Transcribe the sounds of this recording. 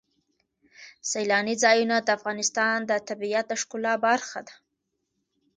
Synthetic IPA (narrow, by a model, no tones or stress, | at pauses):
sajlɑnizɑjunad̪əafɣɑnɪst̪ɑnd̪ət̪abijat̪̚d̪əʂkʊlɑbaɾxad̪ḁ